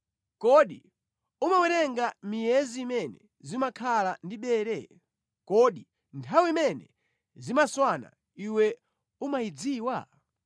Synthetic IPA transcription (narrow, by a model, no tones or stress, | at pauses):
kɔɗi | umawɛɾɛŋɡamijɛziːmɛnɛ | zimakʰalandiɓɛːɾɛ | kɔɗi | ntʰawiimɛnɛ | zimaswana̰ | iwɛ | umajid͡ziːwa